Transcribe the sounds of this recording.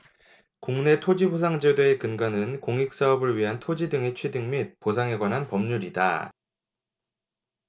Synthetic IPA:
kuŋne̞tʰod͡ʑibosʰaŋd͡ʑedoe̞kɯnɡanɯnkoŋik̚s͈aʌbɯɭɥiɦantʰod͡ʑidɯŋe̞t͡ɕʰwedɯŋmit̚posʰaŋe̞ɡwanɦanpʌmɲuɾida̰

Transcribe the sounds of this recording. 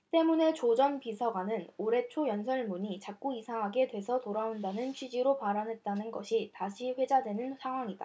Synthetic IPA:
t͈e̞mune̞t͡ɕod͡ʑʌnpisʰaɡwanɯnoɾe̞t͡ɕʰojʌnsʰʌɭmuɲit͡ɕak̚k͈uisʰaɦaɡe̞dwe̞sʰʌtoɾaondanɯnt͡ɕʰɥid͡ʑiɾopaɾanɦe̞t̚t͈anɯnɡʌɕʰitaɕʰiɸwe̞d͡ʑadwe̞nɯnsʰaŋɦwaŋida̰

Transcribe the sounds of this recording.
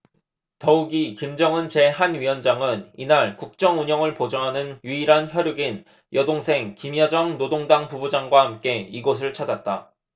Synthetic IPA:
tʌuɡikimd͡ʑʌŋɯnt͡ɕe̞ɦanɥiwʌnd͡ʑaŋɯninaɭkuk̚t͡ɕ͈ʌŋuɲʌŋɯɭpod͡ʑʌŋɦanɯnjiiɾançjʌɾjuɡin | jʔʌdoŋsʰe̞ŋkimjʌd͡ʑʌŋnodoŋdaŋpubud͡ʑaŋɡwahamk͈e̞iɡos̬ʰɯɭt͡ɕʰad͡ʑat̚t͈a

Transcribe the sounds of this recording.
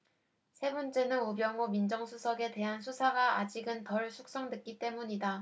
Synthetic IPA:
sʰe̞bʌnt͡ɕ͈e̞nɯnubjʌŋomind͡ʑʌŋsʰusʰʌɡe̞te̞ɦansʰusʰaɡaad͡ʑiɡɯntʌɭsʰuk̚s͈ʌŋdɯk͈it͈e̞muɲida

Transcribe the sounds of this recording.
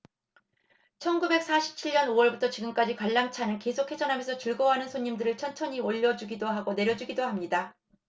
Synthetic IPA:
t͡ɕʰʌnɡube̞k̚s͈ʰaɕʰi̥p̚t͡ɕʰiɭɲʌnoʌɭbutʰʌt͡ɕiɡɯmk͈ad͡ʑikaɭːaŋt͡ɕʰanɯnke̞sʰokʰe̞d͡ʑʌnɦamjʌnsʰʌt͡ɕɯɭɡʌɦanɯnsʰoɲːimdɯɾɯɭt͡ɕʰʌnt͡ɕʰʌɲioʎːʌd͡ʑuɡidoɦaɡone̞ɾjʌd͡ʑuɡidohamɲida

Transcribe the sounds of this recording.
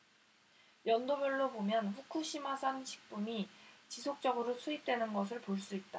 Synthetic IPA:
jʌndobɯɭːobomjʌnɸukʰuɕʰimasʰanɕʰi̥k̚p͈umit͡ɕisʰok̚t͡ɕ͈ʌɡɯɾosʰuip̚t͈we̞nɯnɡʌs̬ʰɯɭpoɭs͈uit̚t͈a

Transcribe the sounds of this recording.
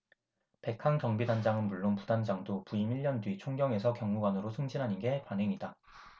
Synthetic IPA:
pe̞kʰaŋkjʌŋbidand͡ʑaŋɯnmuɭːonpudand͡ʑaŋdopuimiʎːjʌndwɥit͡ɕʰoŋɡjʌŋe̞sʰʌkjʌŋːuɡwanɯɾosʰɯŋd͡ʑinɦanɯnɡe̞panɦe̞ŋida

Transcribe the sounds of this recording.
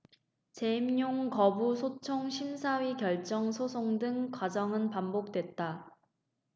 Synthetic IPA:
t͡ɕe̞mɲoŋkʌbusʰot͡ɕʰoŋɕʰimsʰawikjʌɭt͡ɕ͈ʌŋsʰosʰoŋdɯŋkwad͡ʑʌŋɯnpambok̚t͈we̞t̚t͈a

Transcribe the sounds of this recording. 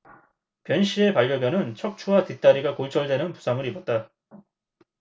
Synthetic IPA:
pjʌnɕ͈ʰie̞paʎɡjʌbjʌnɯnt͡ɕʰʌk̚t͡ɕʰuwatit͈aɾiɡakoɭt͡ɕ͈ʰʌɭde̞nɯnpu̥sʰamɯɾibʌt̚t͈a

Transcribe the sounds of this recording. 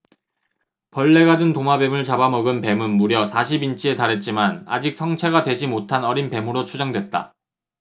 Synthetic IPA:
pʌɭːe̞ɡadɯntoŋabe̞mɯɭt͡ɕabamʌɡɯnpe̞mɯnmuɾjʌsʰaɕʰibint͡ɕ͈ʰie̞taɾɦe̞t̚t͡ɕ͈imana̰d͡ʑik̚s͈ʰʌŋt͡ɕʰeɣadwe̞d͡ʑimotʰanʌɾinpe̞mɯɾot͡ɕʰud͡ʑʌŋdwe̞t̚t͈a̰

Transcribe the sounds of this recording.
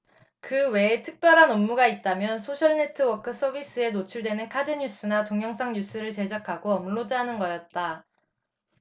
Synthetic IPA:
kɯwe̞ːtʰɯk̚p͈jʌɾɦanʌmːuɡait̚t͈amjʌnsʰoɕʰʌɭne̞tʰɯwʌkʰɯs͈ʰʌbis͈ɯe̞not͡ɕʰuɭdwenɯnkʰadɯɲus͈ʰɯnatoŋjʌŋsʰaŋɲus͈ʰɯɾɯɭt͡ɕe̞d͡ʑakʰaɡoʌmɭodɦanɯnɡʌjʌt̚t͈a

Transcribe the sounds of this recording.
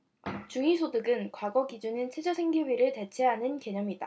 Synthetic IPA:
t͡ɕuŋisʰodɯɡɯnkwaɡʌɡid͡ʑunɯnt͡ɕʰed͡ʑʌsʰeŋɡiɥiɾɯɭte̞t͡ɕʰe̞ɦanɯnke̞ɲʌmida̰

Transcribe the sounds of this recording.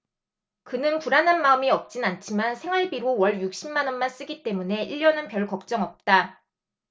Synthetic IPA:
kɯnɯnpuɾananmaɯmiʌp̚t͡ɕ͈inant͡ɕʰimansʰe̞ŋɦaɭbiɾowʌɭjuk̚ɕ͈ʰimːanʌnmans͈ɯɡit͈e̞mune̞iʎːjʌnɯnpjʌɭkʌk̚t͡ɕ͈ʌŋʌp̚t͈a

